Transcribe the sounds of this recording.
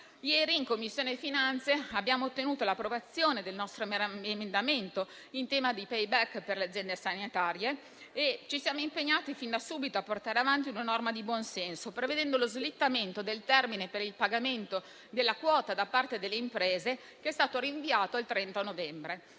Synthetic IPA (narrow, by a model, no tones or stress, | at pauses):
jɛːɾiːŋkomːisːjoːnefinant̪seabːjaːmoːt̪ːenuːt̪olapːɾovat̪sːjoːned̪elnɔst̪ɾoemend̪ament̪o | int̪ɛːmad̪ipɛjbɛkːperlead̪zːjɛnd̪esanit̪aːɾjeː | t͡ʃisjaːmoimpeɲːaːt̪ifind̪asuːbit̪oapːort̪aːɾeavant̪iunanɔrmad̪ibwɔnsɛnsopɾeved̪ɛnd̪olozlit̪ːament̪od̪elt̪ɛrminepeɾilpaɡament̪o | d̪elːakwɔːt̪ad̪apːart̪ed̪elːeimpɾeːze | keɛst̪aːt̪oɾiɱviaːt̪oalt̪ɾɛnt̪anovɛmbɾe